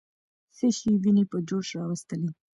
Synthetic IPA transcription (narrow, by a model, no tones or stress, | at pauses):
səʃiwinipəd͡ʒoʃɾɑwəst̪əli